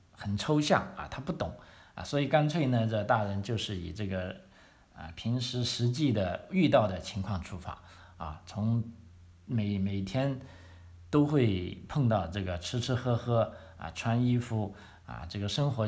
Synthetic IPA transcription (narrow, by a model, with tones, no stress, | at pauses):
xə˨˩nʈ͡ʂʰo˥ʊɕjɑ̰˥˩ŋɐ̰˧˩t̪ʰa˥pu˥˩t̪ʊ˨˩˦ŋɐ̰˧˩swɔ˧˥i˨˩ka˥nt͡sʰwe˥˩ɪnə˧ʈ͡ʂə˥˧t̪a˥˩ɻə˧˥nt͡ɕjo˥˧ʊʂɻ̩˥˩ḭ˨˩ʈ͡ʂɤ˥˩ɡə˩ | ə̰˧˩pʰi˧˥ŋʂɻ̩˧˥ʂɻ̩˧˥t͡ɕi˥˩d̪ə˩y˥˧t̪ɑ˥˩ʊd̪ə˩t͡ɕʰi˧˥ŋkʰwɑ˥˩ŋʈ͡ʂʰu˥fa̰˨˩˦ | ɐ̰˧˩t͡sʰʊ˧˥ŋ | me˨˧˩ɪme˨˩ɪt̪ʰjɛ˥n | t̪o˥ʊxwe˥˧ɪpʰɤ˥˧ŋt̪ɑ˥˧ʊʈ͡ʂɤ˥˩ɡə˩ʈ͡ʂʰɻ̩˥ʈ͡ʂʰɻ̩˥xɤ˥xɤ˥ | ɐ̰˧ʈ͡ʂʰwa˥ni˥fu˥˩ | ɐ̰˧˩ʈ͡ʂɤ˥˩ɡə˩ʂɤ˥ŋxwɔ˧˥